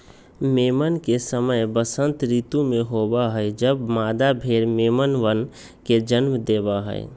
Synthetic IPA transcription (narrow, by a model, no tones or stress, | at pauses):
meːmənkesəməjbəsə̃nt̪ɾit̪umeɦobaɦəjd͡ʒəbmaːd̪abʱeɾmeːmənʋən | ked͡ʒənmd̪eːbaɦə̰ɪ̰